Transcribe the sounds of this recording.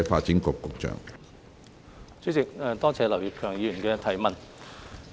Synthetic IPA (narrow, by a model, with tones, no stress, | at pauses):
faː˧t̚t͡siː˨˥nkɔː˧kːʊ˨˥k̚t͡ʃœ̰ː˨ŋ | t͡sy˥t͡sɪ˨k̚ːt̪ɔː˥t͡sʰɛː˨˧lɐ˨˩wji˨p̚kʰœː˨˩ŋjiː˨˥jɥy˨˩nkɛː˧t̪ʰɐ˨˩jmɐ˨n